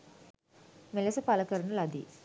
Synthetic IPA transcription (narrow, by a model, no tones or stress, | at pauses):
melesəpaləkəɾɐnəlad̪ḭ